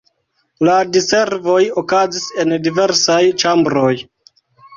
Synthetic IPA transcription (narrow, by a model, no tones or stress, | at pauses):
ladise̞ɾvo̞jokazise̞ndive̞ɾsajt͡ʃambɾo̞j